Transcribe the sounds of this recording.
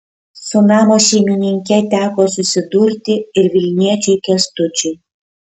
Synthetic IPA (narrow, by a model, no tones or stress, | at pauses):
sʊnɑːmoʃʲɛɪmʲɪnʲɪŋʲkʲɛt̪ʲæːkoːsʊsʲɪd̪uːɾʲt̪ʲɪɪɾʋʲɪlʲnʲiɛt͡ʃʲuɪkʲɛst̪ʊt͡ʃʲʊ